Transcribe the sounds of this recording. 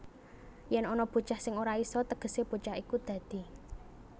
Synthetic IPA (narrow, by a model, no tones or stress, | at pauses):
jɛnɔnɔb̥o̤t͡ʃahsɪŋoɾaisɔt̪əɡ̥ə̤seb̥o̤t͡ʃahikud̪̥ä̤d̪̥i̤